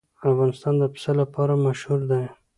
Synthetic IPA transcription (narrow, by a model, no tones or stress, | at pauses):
afɣɑnɪst̪ɑnd̪əpɪ̥salapɑɾamaʃhuɾd̪aj